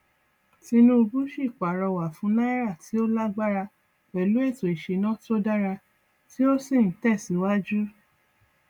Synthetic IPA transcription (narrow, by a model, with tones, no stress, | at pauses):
ti˧nũ˦u˧bu˦ʃi˦˨k͡pa˨ɾɔ˧wa˨fũ˨˦nã˦i˦ɾa˦˨ti˨˦o˦la˦ɡ͡ba˦ɾa˧ | k͡pɛ˨lu˨˦ɛ˦˨to˨i˨ʃe˨˧nã˦to˦da˦ɾa˧ | ti˦o˦si˦˨ñ̩˨˦tɛ˦˨sĩ˨˦wa˦d͡ʒu˦